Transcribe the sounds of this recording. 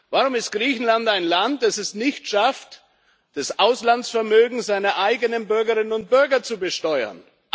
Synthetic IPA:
vaːʁʊmɪst̚ɡ̥ʁiːçn̩lantaɪnlant̚d̥asɛsnɪçtʃaft | d̥asʔaʊslant͡sfɛɐmøːɡŋ̩zaɪnɐʔaɪɡənənbʏɐɡəʁɪnənʊnt̚b̥ʏɐɡɐt͡subəʃtɔʏɐ̰n

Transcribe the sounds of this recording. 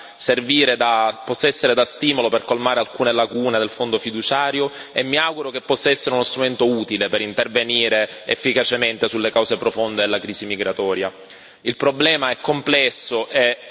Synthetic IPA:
serviːɾed̪apɔsːaɛsːeɾed̪ast̪iːmoloperkolmaːɾealkuːnelakuːned̪elfond̪ofid̪ut͡ʃaːɾjoemːiaɡuɾokepːɔsːaɛsːeɾeunost̪ɾument̪ouːt̪ilepeɾint̪erveniːɾeefːikat͡ʃement̪esulːekawzepɾofond̪ed̪elːakɾiːsimiɡɾat̪ɔːɾja | ilpɾoblɛːmaɛkːomplɛsːoʔe

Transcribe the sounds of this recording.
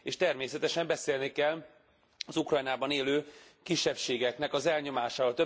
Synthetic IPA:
eːʃt̪ɛrmeːsɛt̪ɛʃɛmbɛseːlnikɛl | ɒzukrɒjnaːbɒneːløːkiʃːɛpʃeːɡɛknɛkɒzɛlɲo̞maːʃaːoːlt̪ø

